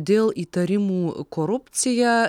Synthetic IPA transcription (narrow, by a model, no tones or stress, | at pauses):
d̪ʲelˠit̪ɐɾʲimukoɾupt̪sɨja